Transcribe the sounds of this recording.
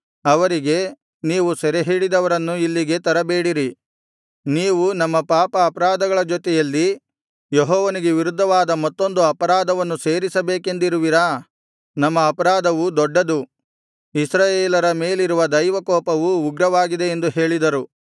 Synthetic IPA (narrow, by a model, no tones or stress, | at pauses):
ɐʋɐɾiɡe̞ | niːʋusɛɾeɦiːɽid̪ɐʋɐɾɐnːuilːiɡe̞t̪ɐɾɐbeːɽiɾi | niːʋunɐmːɐpaːpɐːpɐɾaːd̪ɐɡɐɭɐd͡ʒot̪ɛjɐlːi | jeɦɔːʋɐniɡe̞ʋiɾud̪ʱːɐʋaːd̪ɐmɔt̪ːo̞nd̪uɐpɐɾaːd̪ɐʋɐnːuse̞ːɾisɐbeːke̞nd̪iɾuʋiɾɐ | nɐmːɐːpɐɾaːd̪ɐʋud̪ɔɖːɐd̪u | isɾaːjeːlɐɾɐme̞ːliɾuʋɐd̪ɐjʋɐkɔːpɐʋuːɡɾɐʋaːɡid̪e̞end̪uɦe̞ːɭid̪ɐɾu